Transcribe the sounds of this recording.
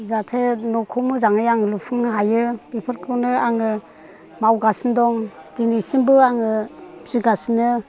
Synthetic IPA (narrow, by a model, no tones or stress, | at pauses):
zatʰenɔkʰɔmɯzaŋɯjaŋɯlupʰɯŋɦajɯbipʰɯɾkʰɯwnɯaŋɯ | mawɡasindɔŋd̥inisimbɯaŋɯziɡasinɯ